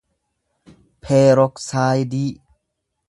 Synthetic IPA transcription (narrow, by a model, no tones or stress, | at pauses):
pʰeːɾok̚saːjdi